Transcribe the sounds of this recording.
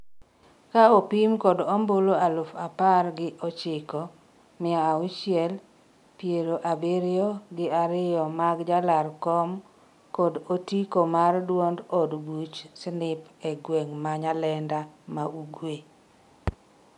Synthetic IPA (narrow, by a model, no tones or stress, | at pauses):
kaopimkɔdɔmboloalofaparɡɪʔɔt͡ʃɪkɔ | mɪaʊt͡ʃjɛl | pjeɾoʔabeɾɪoɡɪaɾɪjɔmaɡd͡ʒalarkɔm | kɔdotikomardwondɔdɡut͡ʃsnɪpɛɡweŋmaɲalɛndamauɡwe